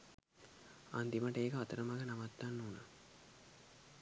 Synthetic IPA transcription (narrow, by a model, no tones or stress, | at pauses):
a̰nd̪imaʈəeːkəat̪əɾəmaɡənaʋat̪ːanːuːnə